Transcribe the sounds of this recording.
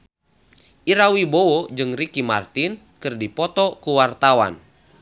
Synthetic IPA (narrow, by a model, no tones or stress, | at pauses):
ʔiɾawibowod͡ʒɨŋrikima̰rt̪in | kɨrdipɔt̪ɔkuwart̪awa̰n